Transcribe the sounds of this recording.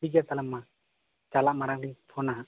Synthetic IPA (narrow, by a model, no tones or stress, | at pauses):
id͡ʒat̪alɛmːa | t͡ʃalaʔmaɾaŋlipʰɔnaɦa